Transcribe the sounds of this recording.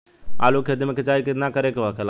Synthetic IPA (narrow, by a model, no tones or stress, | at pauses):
a̰ːlokʰed̪ɪmkʰet͡ʃaːikɪt̪nakəɾekeʋəkʰel